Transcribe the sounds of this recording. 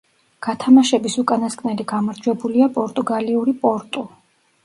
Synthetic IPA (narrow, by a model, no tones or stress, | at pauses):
ɡ̥at̪ʰamaʃɛbisukʼanaskʼnɛliɡamaɾd͡ʒwɛbuliapʼɔɾt̪ʼuɡaliuɾipʼɔɾt̪ʼu